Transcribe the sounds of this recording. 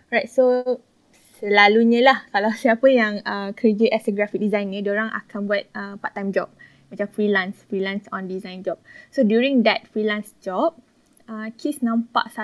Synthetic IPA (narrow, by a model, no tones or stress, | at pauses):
ɹajt̚so | səlaluɲə̃lahkalawsiapəjãŋəkəɾəd͡ʒəʔɛsəɡɾafik̚dizãjnĩdoɾãŋʔa̰kanbuat̪̚əpaʔt̪ːãjmd͡ʒɔp̚ | mat͡ʃamfɹilãnsfɹilãnsɔ̃ndizãjnd͡ʒɔp̚sodjuɹĩŋd̪ɛt̚fɹilãnsd͡ʒɔp̚ | əkʰisnãmpa̰ʔsa